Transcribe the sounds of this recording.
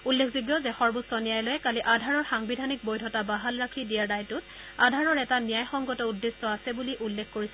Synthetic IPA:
ulːekʰziɡjɔzɛxɔɹbusɔnijajlɔjɛkaliʔadʱaɹɔɹxaŋbidʱanik̚bojdʱɔtabaɦalɹakʰidijaɹdajtʊt | adʱaɹɔɹɛtanijajxɔŋɡɔtɔudːestɔasɛbuliʔulːekʰkoɹisɛ

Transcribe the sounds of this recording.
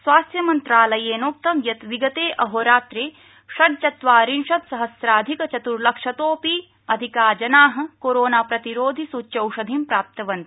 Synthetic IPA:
sʋaːst̪jɐmɐnt̪ɾaːlɐjeːnoːk̚t̪ɐmjɐt̪ʋiɡɐt̪eːʔɐɦoːɾaːt̪ɾeː | ʃɐɖ̚t͡ʃɐt̪ʋaːɾinʃɐt̪sɐɦɐsɾaːd̪ʱikɐt͡ʃɐt̪uɾlɐkʂɐt̪oːpiː | ɐd̪ʱikaːd͡ʒɐnaːɦɐ̆koɾoːnaːpɾɐt̪iɾoːd̪ʱisut͡ʃɐwʃɐd̪ʱimpɾaːp̚t̪ɐʋɐnt̪i̥

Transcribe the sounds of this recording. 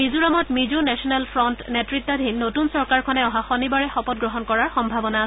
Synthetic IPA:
mizuɹamɔtmizunɛsɔnɛlpʰɹɔntnetɹit̪ːadʱinːotunsɔɹkaɹkʰɔnɛɔɦaxonibaɹɛxɔpɔt̚ɡɹɔɦɔnkɔɹaɹxɔmbʱabɔnas

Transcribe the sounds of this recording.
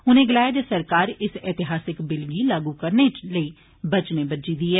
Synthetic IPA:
ʊnẽːɡɪlaːjaːd̪esəɾkaːɾɪsɛːt̪ɪɦaːsɪkbɪlɡiːlaːɡuːkəɾneːləiː | bət͡ʃneːbəd͡ʒiːd̪iːɦɛː

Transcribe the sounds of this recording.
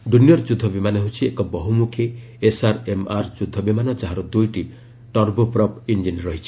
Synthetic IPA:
ɖunijɔɾd͡ʒud̪ʱːɔbimaneɦut͡ʃʰiekɔbɔɦumukʰe | esaɾemaɾd͡ʒud̪ʱɔbimanɔt͡ʃaɦaɾɔd̪ujʈi | ʈɔɾbopɾɔpind͡ʒinɾɔɦit͡ʃʰi̥

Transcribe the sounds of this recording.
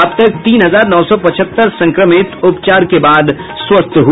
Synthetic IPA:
əbt̪ɐk̚t̪iːnɦɐzaːɾnɔːsɔpɐt͡ʃʰət̪ːəɾsɐ̃ŋkɾəmɪt̪ʊpt͡ʃaːɾkebaːd̪ | swɐst̪ʰɦu

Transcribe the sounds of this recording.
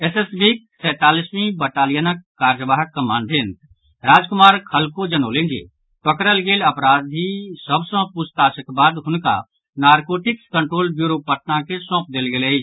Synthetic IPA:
esesbik̚sɛːt̪aːlismĩbəʈaːlɪjənəkːaːɾd͡ʒəbaːɦəkːəmaːnd̪ent̪ | ɾaːd͡ʒkʊmaːɾkʰəlkod͡ʒənoːlẽnd͡ʒḛ | pəkɾəlɡelɐpɾaːd̪ɦisəbsə̃pʊst̪aːsəkbaːd̪ɦʊnka̰ | naːɾkoːʈɪkskəɳʈɾoːlbjuɾopəʈ̚nakesɔ̃ːp̚d̪eːlɡeːle

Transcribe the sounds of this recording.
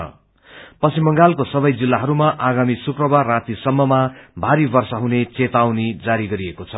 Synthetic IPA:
ʌ̰ | pʌsimʌŋɡalkosʌbʌjd͡zilːaɦʌɾumaʔaɡamisukrʌbarrːat̪isʌmːʌmabʱaɾibʌrsʌɦunet͡set̪awnid͡zaɾiɡʌɾiekot͡sʰʌ

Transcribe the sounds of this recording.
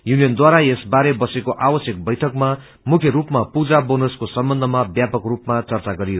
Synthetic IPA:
junijʌnd̪waɾaesbaɾebʌsekoʔawʌsjʌk̚bʌjʈʰʌkma | mukʰjʌɾupmapud͡zabonoskosʌmbʌnd̪ʱʌmabjapʌkrupmat͡sʌrt͡saɡʌɾio

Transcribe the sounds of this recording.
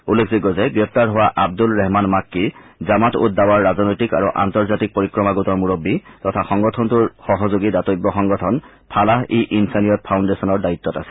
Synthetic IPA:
ulːekʰziɡɔzɛɡɹɛp̚taɹɦowaʔab̚dulɹɛɦmanmakːizamato̰t̚dawaɹːazɔnɔjtika̰ɹuʔa̰ntɔɹzatik̚poɹikɹɔmaɡutɔɹmuɹobːitɔtʰaxɔŋɡɔtʰɔntuɹxɔɦɔzoɡidatɔjɡːɔxɔŋɡɔtʰɔn | pʰalaɦeʔinsanijɔt̚pʰawndesɔnɔɹdait̪ːɔta̰sɛ̥

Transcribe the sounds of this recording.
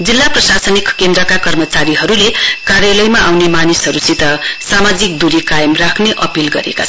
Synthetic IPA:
d͡zilːaprʌsasʌnikːend̪ɾʌkakʌrmʌt͡saɾiɦʌɾulekaɾjʌlʌjmaʔawnemanisɦʌɾusit̪ʌsamad͡zik̚d̪uɾikajʌmrakʰneʔʌpilɡʌ̰ɾḛkat͡sʰʌ

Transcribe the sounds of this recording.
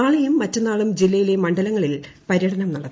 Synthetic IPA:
aːɭejumːɐtːɐnaːɭumd͡ʑilːɐjile̞mɐɳɖɐlɐŋːɐɭilpɐɾjɐɽʰɐnɐmnɐɽɐt̪ː

